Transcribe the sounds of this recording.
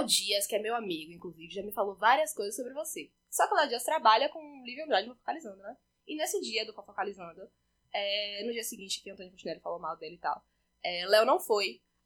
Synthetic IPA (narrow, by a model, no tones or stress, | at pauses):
wd͡ʒiɐskɪɛmewamiɡʊĩŋkluzivɪʒamɪfalovaɾiɐskojzɐsːobɾɪvose | sɔkalad͡ʒiɐst̪ɾabaʎɐkõlivɪ̃ɐ̃nd̪ɾad͡ʒɪ̃fofo̥kalizɐ̃d̪ʊnɛ | ɪnesɪd͡ʒiɐd̪ʊfofokalizɐ̃nd̪ʊ | ɛnʊd͡ʒiɐsɪɡĩnt͡ʃɪ̥kɪɐ̃t̪õnɪkõt͡ʃineɛlɪfalomawd̪elɪɪt̪a̰w | ɛlɛwnɐ̃w̃foj